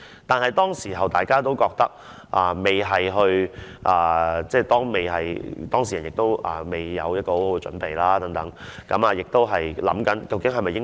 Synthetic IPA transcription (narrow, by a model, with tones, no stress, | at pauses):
t̪aː˨nɦɐ˨jt̪ɔː˥ŋsiː˨˩ɦɐ˨wt̪aː˨˩jkaː˥t̪o˥wkɔː˧k̚t̪ɐ˥k̚ | ʔaː˨me˨˩jɦɐ˨jɦɵ˧ɥʔaː˨˩t͡sɛː˥˧t̪ɔː˥ŋme˨˩jɦɐ˨jt̪ɔː˥ŋs̬i˨ɐ˨˩njɪ˨k̚t̪o˥wʔa̰ː˨me˨˩jːɐ̰˨˧wjɐ˥t̚kɔː˧ho˨˥who˨˦wkɛ˧t͡ʃɵ̰˨˥npe˨jlaː˥t̪ɐ˨˥ŋt̪ɐ˨˦ŋkɐ˨˧maː˨˧jɪ˨k̚t̪o˥wɦɐ˨jlɐ̰˨˥mkɐ˨˥nkɐ˧wkɪ˨˥ŋɦɐ˨jmɐ˨jːɪ˥ŋ